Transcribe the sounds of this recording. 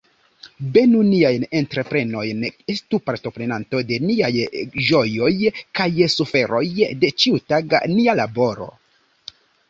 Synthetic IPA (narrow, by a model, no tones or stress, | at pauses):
be̞nuniajne̞ntɾe̞pɾe̞no̞jne̞stupaɾto̞pɾe̞nanto̞de̞niajʒo̞jo̞jkajsufe̞ɾo̞jde̞t͡ʃiutaɡa̰nialabo̞ɾo̞̰